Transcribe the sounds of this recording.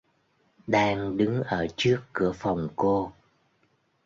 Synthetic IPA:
ɗaː˧ŋɗɨ˨˦ŋʔəː˧˩t͡ɕɨ˦˥əkːɨ˧˩əfa˨˩wŋ͡mko˧

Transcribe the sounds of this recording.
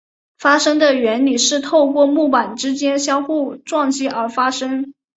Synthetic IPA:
fa˥ʂɤ˥ŋd̪ə˨ɥɛ˧˥nli˨˩ʂɻ̩˥˧t̪ʰo˥˧ʊkwɔ˥˧mu˥˩pa˨˩nʈ͡ʂɻ̩˥t͡ɕjɛ˥nɕjɑ˥ŋxu˥˩ʈ͡ʂwɑ˥˩ŋt͡ɕi˥˩ʔə˞˧˥fa˥ʂɤ˥ŋ

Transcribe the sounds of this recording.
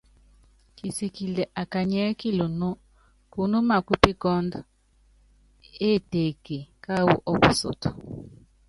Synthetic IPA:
ki˨si˨ki˨le˨ʔa˨ka˨ɲɛ˦ki˦lo˨no˦ | ku˦no˦ma˨ku˦pi˦ɡɔ˦nd | e˦˨te˨ke˨ka˦wṵ˦ʔɔ˦ku˨so̰˨to˨

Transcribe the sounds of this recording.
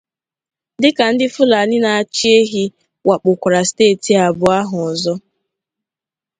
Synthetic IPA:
dɪ˦ka˨n̩˦dɪ˦fʊ˦la˨nɪ˦na˨a˨t͡ʃi˦e˦ɦi˦ | wa˨k͡pʊ˨kʷa˨ɾa˨steː˦˨ti˨a˨bʊ˨a˦ɦʊ˨ɔ˨zɔ˦

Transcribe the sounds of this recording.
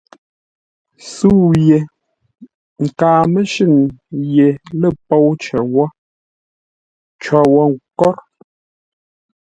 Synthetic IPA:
su˦˨je˨ | ŋ̩˨kaː˨mə˦ʃʉ˦˨ŋje˨lə˦˨pɔ˦˨wt͡ʃɛ˨wɔ˦ | t͡ʃɔ˨wɔ˦ŋ˨kɔ˦ɾ

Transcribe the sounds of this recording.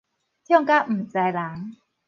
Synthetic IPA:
t̪ʰi˥˩˥ŋka˦˥˩m̩ː˨˩t͡ɕa˧jlaː˩˦ŋ

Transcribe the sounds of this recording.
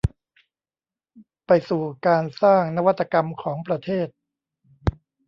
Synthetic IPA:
pa˧jsuː˨˩kaː˧nsaː˥˩ŋna˦˥wa˦t̪ːa˧ka˧mkʰɔː˩˦ŋpɾa˧t̪ʰeː˥˩t̪̚

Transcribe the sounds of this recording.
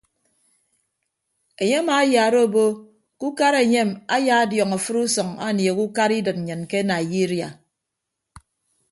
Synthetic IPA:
e˨ɲe˦ma˨˦ja˨ɾo˦˨bo˦ | ku˦ka˦ɾe˨ɲe˦˨ma˦ja˦˨a˦djɔ˨ŋa˨fɨ˦ɾu˦sɔ˨ŋa̰˦˨nje˨ku˦ka˦ɾi˦dɨ˨t̚n̩˨ɲɨ˨nke˦na˨ji˦ɾja˨

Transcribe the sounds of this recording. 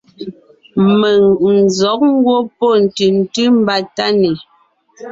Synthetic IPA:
mə˨ŋn̩˨zɔ˨˦k̚ŋ̩˦ɡwo˦pɔ˦˨n̩˨ti˨n̩˨ti˦m̩˦ba˦ta˦ni˨

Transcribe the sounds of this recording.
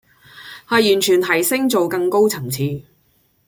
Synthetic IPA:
haː˨˧jyː˨˩nt͡ʃʰyː˨˩nt̪ʰɐ˨˩jsɪ˥ŋt͡so˨wkɐ˧ŋko˥wt͡sʰɐ˨˩ŋt͡sʰiː˧

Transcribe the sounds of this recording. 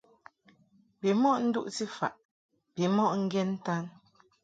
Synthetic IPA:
bi˨mɔ˦ʔn̩˦dṵ˦ʔti˦fa̰˨ʔ | bi˨˦mɔ˦ʔŋ̩˦ɡɛ˦n̩˦ta˦n

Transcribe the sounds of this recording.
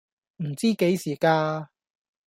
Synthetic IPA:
m̩˨˩t͡siː˥ke˨˥jsiː˨˩kaː˧

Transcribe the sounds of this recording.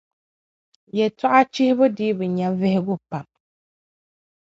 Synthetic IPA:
jɛ˨ta˦ʔa˦t͡ʃi˦hɪ˦bʊ˦dɪ˦bʊ˨ɲa˨vɪ˦hɪ˦ɡʊ˦pa˨m

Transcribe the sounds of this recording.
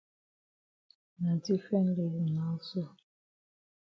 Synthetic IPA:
na˨di˦fɛ˦n̩˦le˨na˨˦so˦˨

